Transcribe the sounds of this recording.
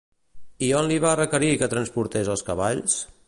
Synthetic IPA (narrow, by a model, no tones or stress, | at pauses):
ionliβarəkəɾikət̪ɾənspuɾt̪ezəlˠskəβaʎs